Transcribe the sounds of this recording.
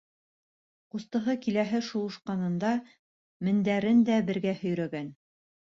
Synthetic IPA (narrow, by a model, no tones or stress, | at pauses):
qust̪ɤ̆ɦɤkilæɦɘʃulˠŭʃqɑnɤ̆nd̪ɑ | mɘ̆nd̪æɾɘnd̪æbɘ̆ɾɡæhɵ̆jɾæɡæn